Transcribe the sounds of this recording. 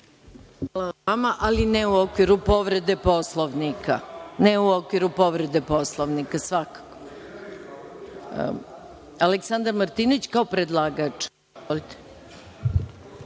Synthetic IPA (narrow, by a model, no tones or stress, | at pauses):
xalaamaʔalineuokʋiɾupo̞ʋɾe̞d̪epo̞slˠoʋnikʰa̰neuo̞kʋiɾupo̞ʋɾe̞d̪e̞po̞slˠoʋnikasʋakḁko | aleksand̪aɾmaɾt̪inoʋit͡ɕkaopɾed̪lˠaːɡat͡ʂ | olit̪e̥